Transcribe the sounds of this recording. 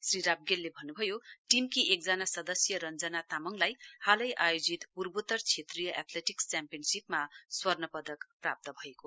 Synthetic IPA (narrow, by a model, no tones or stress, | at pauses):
sriɾab̚ɡelːebʱʌnːubʱʌjoʈimkiʔek̚d͡zanasʌd̪ʌsjʌɾʌnd͡zʌnat̪amʌŋlajhalʌjʔajod͡zit̪purbut̪ʌrt͡sʰet̪rijʌʔat̪ʰleʈikt͡sampijʌnsipmaswʌrnʌpʌd̪ʌkpra̰p̚t̪ʌbʱʌeko